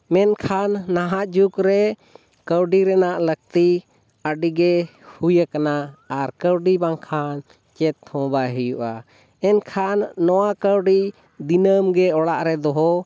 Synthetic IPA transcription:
mɛnkʰanːaɦaʔd͡ʒukɾɛ | kəwɖiɾɛnaʔlək̚t̪i | əɖiɡɛhujəkanaaɾkəɾɖibaŋkʰan | t͡ʃɛt̪̚hɔ̃baɦɛjuʔa̰ | ɛnkʰanːɔwakəwɖi | d̪inəmɡɛɔɽaʔɾɛd̪ɔɦɔ

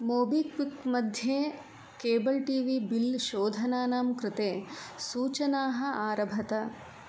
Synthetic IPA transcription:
moːbiːkʋikmɐd̪ʱjeː | keːbɐlʈiːʋiːbilʃoːd̪ʱɐnaːnaːmkɾɪt̪eːsuːt͡ʃɐnaːɦɐ̆ʔaːɾɐbʱɐt̪ɐ

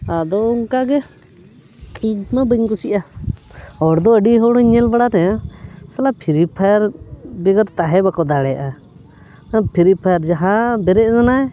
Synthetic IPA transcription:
ad̪ɔuŋkaɡɛ | idmabəɲkusiʔa | ɔɾd̪ɔəɖiɦɔɽɔiɲɛlbaɽaɾɛsalapʰiɾipʰajaɾbɛɡɔɾt̪aɦɛbakɔd̪aɽɛjaʔa | pʰiɾipʰajaɾd͡ʒaɦãbɛɾɛʔzanaɛ

